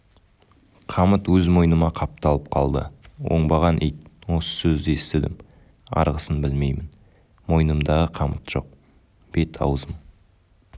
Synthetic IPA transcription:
qʰɑmət̪wɵzmo̞jnəmɑqʰɑp̚t̪ɑlˠəp̚qʰɑlˠd̪ə̰wo̞̰ɴbɑʁɑnʔejt̪̚wo̞sə̥sɵzd̪est̪ɪd̪ɪm | ɑ̰ɾʁəsənbɪlme̞jmɪn | mo̞jnəmd̪ɑʁəqʰɑmət̪ʒ̥o̞̰q̚ | b̥e̞t̪ʰɑ̰wzəm

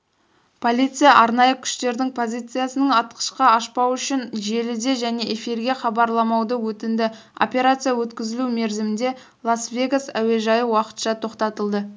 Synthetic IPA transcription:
pʰo̞lʲˠijt̪sɨjaʔɑɾnɑjəkʲʰʏ̥ʃt̪e̞ɾd̪ɪŋpʰo̞zʲijt̪sɨjasənəɴɑt̪qə̥ʃqɑɑʃpɑwʏʃɪnʒe̞lɪd̪e̞ʒæne̞ʔefiɾɡʲe̞χɑbɑɾlˠɑmɑwd̪əwɵt̪ɪnd̪ɪ | o̞̰pʲe̞ɾat̪sɨjawɵt̪kʲɪzɪlume̞ɾzɪmɪnd̪e̞ | lˠasvʲe̞ɡasæ̰we̞ʒɑjəwɑqə̥t̪ʃɑt̪ʰo̞qt̪ɑt̪əlˠd̪ə

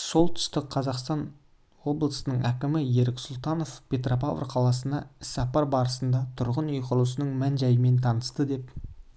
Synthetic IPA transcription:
so̞lˠt̪ʰʏ̥st̪ɪqqʰɑzɑqst̪ɑn | wo̞blˠəsənəɴækʲɪmɪje̞ɾɪksʊlˠt̪ɑno̞fpʲʰe̞t̪ropav̰rqʰɑlˠɑsənd̪ɑɪsːɑpɑɾbɑɾəsənd̪ɑt̪ʰʊɾʁənʏjqʰəɾlˠsənəɴmænʒɑjɪme̞nt̪ʰɑnəst̪əd̪e̞p

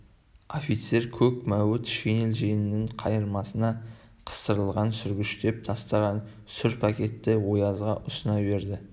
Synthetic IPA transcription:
ofit̪se̞ɾkʲʰɵkmæwɪt̪ʃene̞lʒenɪnːɪɴqʰɑjəɾmɑsənɑ | qʰə̥st̪əɾəlˠʁɑnsʏɾɡʲɪʃt̪e̞p̚t̪ʰɑst̪ɑʁɑn | sʏɾpʰɑkʲe̞t̪ːɪwo̞jɑzʁɑʔʊsənɑbe̞ɾd̪ɪ

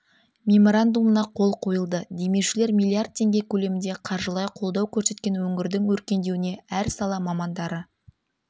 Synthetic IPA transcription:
mʲe̞mo̞ɾand̪umənɑqʰo̞lˠqʰo̞jəlˠd̪əd̪e̞me̞wʃɪle̞ɾmʲijlˠːiard̪̚t̪ʰːe̞ŋɡʲe̞kʲʰɵle̞mɪnd̪e̞qʰɑɾʒəlˠɑjqʰo̞lˠd̪ɑwkʲʰɵɾse̞t̪̚kʲe̞nwɵŋɡʲɪɾd̪ɪŋwɵɾkʲe̞nd̪e̞wɪne̞æɾsɑlˠɑmɑmɑnd̪ɑɾə

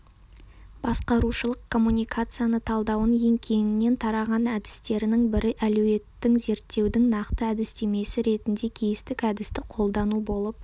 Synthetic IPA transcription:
bɑsqɑɾuʃəlˠəqkʰo̞mːunʲijkʰat̪sɨjanət̪ʰɑlˠd̪ɑwənje̞ŋkʲʰe̞nɪnːe̞nt̪ʰɑɾɑʁɑnæd̪ɪ̥st̪e̞ɾɪnɪŋbɪɾɪʔæluwe̞t̪ːɪŋze̞ɾt̪ːe̞wd̪ɪŋnɑqt̪əæd̪ɪst̪e̞me̞sɪɾe̞t̪ɪnd̪e̞kʲʰejɪst̪ɪkæd̪ɪst̪ɪqʰo̞lˠd̪ɑnubo̞lˠəp̚

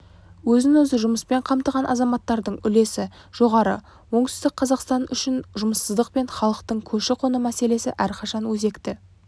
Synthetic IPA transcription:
wɵzɪnwɵzəʒʊməspe̞ɴqʰɑmt̪əʁɑnʔɑ̰zɑmɑt̪ːɑɾd̪əɴʏle̞sɪ | ʒ̥o̞ʁɑɾə̰ | wo̞ɴt̪ɪzd̪ɪk̚qʰɑzɑqst̪ɑnʏʃɪnʒʊməsːəzd̪əq̚pe̞nχɑlˠəqt̪əɴkʲʰɵʃɪqʰonəmæse̞le̞sɪ̰ʔæɾqʰɑʃɑnwɵze̞kt̪ɪ

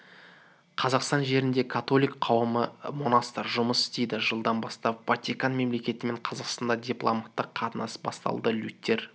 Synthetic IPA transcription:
qʰɑzɑqst̪ɑnʒe̞ɾɪnd̪e̞kʰat̪o̞lʲijkqʰɑwəməmo̞nɑst̪ɑɾʒʊməsɪ̥st̪ejd̪ɪʒəlˠd̪ɑnbɑst̪ɑpvat̪ʲikanme̞mle̞kʲe̞t̪ɪme̞ɴqʰɑzɑqst̪ɑnd̪ɑd̪ʲiplˠomɑt̪ːəqʰːɑt̪ənɑsbɑ̰st̪ɑ̰lˠd̪əlʲut̪ʲːe̞ɾ

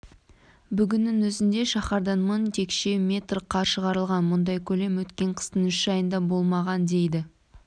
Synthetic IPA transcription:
bʏɡʲɪnːɪŋwɵzɪnd̪e̞ʃɑχɑɾd̪ɑnmənt̪ʰe̞kʃe̞mʲe̞t̪rqʰɑʃəʁɑɾəlˠʁɑnmʊnd̪ɑjkʲʰɵle̞mwɵt̪kʲe̞ɴqʰə̥st̪ənʏʃʒɑjənd̪ɑbo̞lˠmɑʁɑnd̪e̞jd̪ɪ

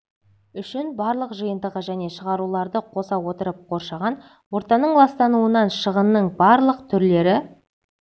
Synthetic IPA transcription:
ʏʃɪnbɑɾlˠəqʒəjənd̪əʁəʒæne̞ʃəʁɑɾulˠɑɾd̪əqʰo̞sɑwo̞t̪əɾəp̚qʰo̞ɾʃɑʁɑn | wo̞ɾt̪ɑnəɴlˠɑst̪ɑnuənɑnʃəʁənːəɴbɑɾlˠəqt̪ʰʏɾle̞ɾɪ

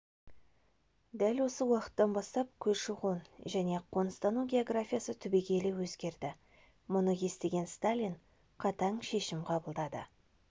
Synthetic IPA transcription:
d̪ælwo̞səwɑqə̥t̪ːɑnbɑst̪ɑp̚kʲʰɵzʃɪʁonʒæne̞qʰo̞nst̪anuɡʲe̞o̞ɡrafʲijasət̪ʰʏbe̞ɡʲe̞lewɵzɡʲe̞ɾd̪ɪ | mʊnəje̞st̪e̞ɡʲe̞nst̪alʲin | qʰɑt̪ɑɴʃe̞ʃɪmqʰɑbəlˠd̪ɑd̪ə̰

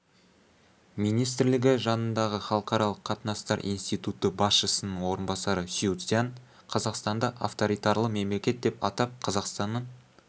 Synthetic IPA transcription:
mijnijst̪ɪɾlɪɡʲɪʒɑnənd̪ɑʁəχɑlˠəqɑɾɑlˠəqʰːɑt̪ənɑst̪ɑɾḭjnst̪ijt̪ut̪əbɑsʃəsənəɴwo̞ɾənbɑsɑɾəsiut̪sijan | qʰɑzɑqst̪ɑnd̪ɑʔɑ̰ft̪o̞ɾijt̪ɑɾlˠəme̞mlekʲe̞t̪̚d̪e̞pɑt̪ɑp̚qʰɑzɑqst̪ɑnːəɴ

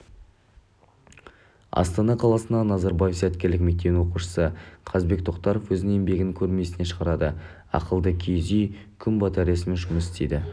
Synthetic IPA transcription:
ɑ̰st̪ɑnɑqʰɑlˠɑsənɑnɑzɑɾbajefsæt̪̚kʲe̞ɾlɪkʲme̞k̚t̪e̞nwo̞quʃə̥səqʰɑzbe̞k̚t̪ʰo̞qt̪ɑɾofwɵzɪe̞mbe̞ɡʲɪnɪŋkʲʰɵɾme̞sɪne̞ʃəʁɑɾɑd̪ə | ɑ̰qəlˠd̪əkʲʰezijkʲʰʏmbɑt̪ɑɾesɪmeʒʊməsɪst̪ejd̪ɪ

